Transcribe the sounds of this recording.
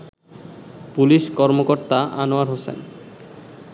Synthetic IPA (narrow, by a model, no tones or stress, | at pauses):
puliʃkɔɾmokoɾt̪aʔanoaɾɦosḛn